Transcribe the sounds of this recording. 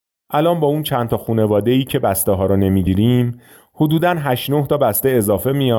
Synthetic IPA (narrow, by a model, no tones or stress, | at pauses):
ʔælɒːnbɒːunt͡ʃʰænt̪ʰɒːxuːne̞vɒːd̪e̞iːcʰe̞bæst̪eɦɒːɾɔne̞miːɟiːɾiːm | hod̪uːd̪ænɦæʃnoht̪ʰɒːbæst̪ee̞zɒːfe̞mijɒ